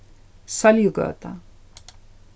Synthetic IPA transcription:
saljuɡø̰ːt̪a

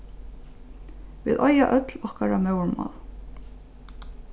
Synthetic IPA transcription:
ʋɪ̰ːðʔɔjaʔœt̪lɔhkaɹamœwɹmɑ̰l

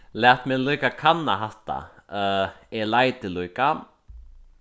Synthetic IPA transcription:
lɛht̪mɛnliːkakʰanːaɦaht̪a̰ | ɛlaːjt̪ɪlujka

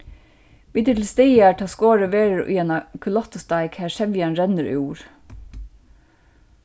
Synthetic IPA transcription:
ʋid̪ət̪ʰl̩st̪eɪæːʈʰɑːskoːɹəʋeːɾəɹʉ̰jɛnɑkʰʉlɑt̪ʊst̪ɑɪkhæːʃɛʋjɑnɾɛnəɾʔy̰uːɹ

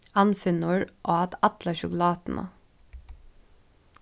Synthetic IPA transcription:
ɑnfʏnʊɹʔoːɑt̪ɑt̪ləʃʊklɑːt̪n̩ʔə̰

